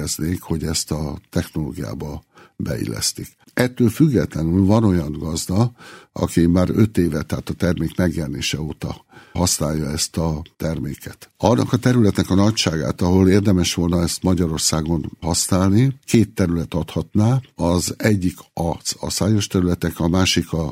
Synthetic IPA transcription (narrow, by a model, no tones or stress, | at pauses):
ɛzneːkho̞ɟɛst̪ɒt̪ɛxno̞lo̰ːɡija̰ːbɒ | bɛ̰ḭlːɛ̰st̪ik | ɛt̪ːøːlfyɡːɛt̪lɛnylvɒno̞jɒŋɡɒzd̪ɒɒ̰kimaːɾø̞t̪eːvɛt̪aːt̪ɒt̪ɛrmeːkmɛɡjɛlneːʃɛoːt̪ɒɦɒsnaːjːɒɛst̪ɒt̪ɛrmḛːkɛt̪ɒnːɒ̰kɒt̪ɛɾylɛt̪nɛkɒnɒcʃaːɡa̰ːt̪ɒɦo̞leːrd̪ɛmɛʃʋo̞lnɒɛst̪mɒɟɒɾo̞rsaːɡo̞nhɒsnaːlnikeːt̪ːɛɾylɛt̪ɒt̪hɒt̪naːɒzɛɟːikɒsɒ̰saːjo̞ʃt̪ɛɾylɛt̪ɛkɒmaːʃikɒ